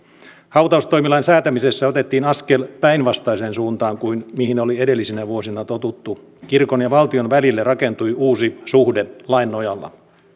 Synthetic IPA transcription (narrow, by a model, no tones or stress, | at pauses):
hɑut̪ɑust̪o̞jmilɑinsæːt̪æmise̞sːæo̞t̪e̞t̪ːiːnɑske̞lpæinʋɑst̪ɑiseːnsuːnt̪ɑːŋkuinmihino̞lie̞de̞lːisinæʋuosinɑt̪o̞t̪ut̪ːu | kirko̞njɑʋɑlt̪io̞nʋælilːerɑke̞nt̪ujuːsisuhde̞lɑinːojɑlːɑ̰